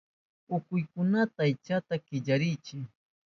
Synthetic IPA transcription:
ʊkʊjkʊnat̪aːjt͡ʃat̪akɪʎaɾɪjt͡ʃɪ

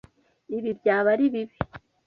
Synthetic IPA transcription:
iβibjaːβaɾiβiβi̥

